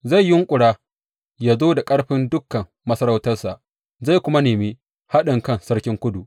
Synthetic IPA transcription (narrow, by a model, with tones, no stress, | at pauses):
za˦˨jːɪ˦ŋkʷʼʊ˨ɽaː˦ | jaː˦zoː˦da˨kʼɐ˦ɽɸɪ˦ndʊ˦kːɐ˨mːɐ˦sɐ˦ɾa˦wtɐ˦rsa˨ʔ | za˦˨jkʷʊ˦ma˦neː˨mi˦ | ha˦ɗɪ˨ŋkɐ˦˨nsɐ˦ɽkʲɪ˦ŋkʷʊ˦du˨